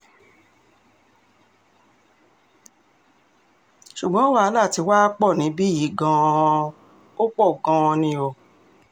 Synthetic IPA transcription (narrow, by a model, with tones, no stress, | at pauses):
ʃu˨ɡ͡bã˨˦o˦wa˦la˦˨ti˧waː˦k͡pɔ˦˨nĩ˨˦bi˦ji˨˦ɡã˧ | o˦k͡pɔ˦˨ɡã˧nĩ˧o˨